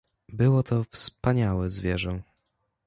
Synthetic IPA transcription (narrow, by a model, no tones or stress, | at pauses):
bɘwɔt̪ʰɔfspaɲawɛzvʲjɛʐɔ̃